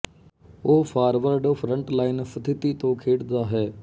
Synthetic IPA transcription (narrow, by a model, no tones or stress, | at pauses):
oːpʰaːɾʋəɾɖpʰɾəɳʈlaːɪnst̪ʰɪt̪iːt̪õːkʰeːɽd̪aːɦɛː